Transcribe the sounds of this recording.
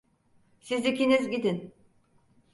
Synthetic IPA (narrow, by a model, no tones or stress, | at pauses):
sizd̪ikʲinizɟid̪in